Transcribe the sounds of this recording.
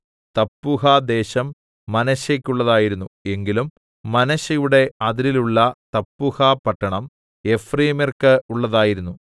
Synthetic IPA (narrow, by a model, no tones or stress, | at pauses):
t̪ɐpːuɦɐd̪e̞ːɕɐmː | ɐnɐɕɐkʲːuɭːɐðaːjiɾunːue̞ŋɡilumː | ɐnɐɕɐjuɽe̞ɐðiɾiluɭːɐt̪ɐpːuhapɐʈːɐɳɐm | e̞friːmerkɨuɭːɐðaːjiɾunːu